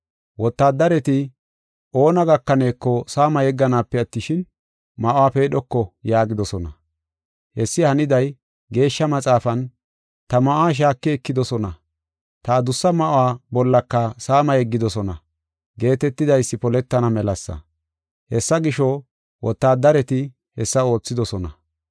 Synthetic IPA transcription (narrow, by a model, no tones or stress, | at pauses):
wɔt̪ːaːd̪ːɐɾɛt̪ɪ | o̞ːnɐɡɐkːɐne̞ːkːɔsaːmɐjɛɡːɐnaːpːɛɐt̪ːɪʃɪn | mɐʔʊwaːpeːɗɔkːɔjaːɡɪd̪ɔsɔnɐ | hɛsːɪhɐnɪd̪ɐj | ɡe̞ːʃːɐmɐt͡sʼaːfɐn | t̪ɐmɐʔʊaːʃ̬aːkːɪɛkːɪd̪ɔsɔnɐ | t̪aːd̪ʊsːɐmɐʔʊaːbɔlːɐkːɐsaːmɐjɛɡːɪd̪ɔsɔnɐ | ɡe̞ːt̪ɛt̪ːɪd̪ɐjsːɪpɔlɛt̪ːɐnɐmɛlɐsːɐ̰ | hɛsːɐɡɪʃɔ | wʔɔt̪ːaːd̪ɐɾɛt̪ɪ | hɛsːɐo̞ːt͡sːɪd̪ɔsɔnɐ